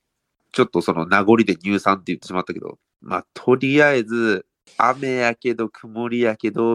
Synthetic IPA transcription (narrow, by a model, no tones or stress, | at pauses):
t͡ɕo̞t̪ːo̞so̞nonaɡo̞ɾʲid̪e̞ɲ̟ʲɨːsãnt̪ejɯ̟t̪ːe̞ɕimat̪ːaked̪o̰ | ma̰t̪ʰo̞ɾʲiaed͡zɨ | a̰me̞jake̞d̪o̞kʰɯ̟moɾʲijake̞d̪o̞